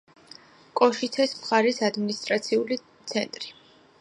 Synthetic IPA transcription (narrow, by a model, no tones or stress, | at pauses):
kʼɔʃit̪ʰɛsmχaɾisad̪minist̪ʼɾat̪sʰiuli | t̪sʰɛnt̪ʼɾi